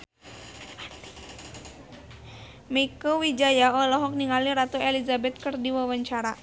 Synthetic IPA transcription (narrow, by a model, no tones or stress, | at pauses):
mikowid͡ʒajaɔlɔɦɔk̚niŋaliɾat̪oɛlizabɛt̪̚kɨrdiwawaɲt͡ʃaɾa